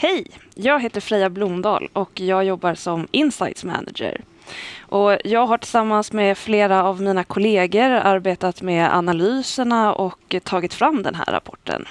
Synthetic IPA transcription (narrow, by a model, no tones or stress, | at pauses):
hɛjjɑːɡɦeːt̪əɾfɾɛːablʊmd̪ɑ̰ːlɔkjɑːɡjɔbːaɾsɔmɪnsa̰jt̪smæ̰na̰d͡ʒə̰ɾ | ʔɔjɑːɡɦaʈʰɪlsamːansmɛfleːɾaːvmiːnakʰʊleːɡəɾa̰ɾbeːt̪at̪mɛʔa̰nalyːsəɳaɔkt̪ʰɑːɡɪt̪fɾamːd̪ɛ̰nɦæ̰ːɾːa̰pʰɔ̰ʈʰːə̰n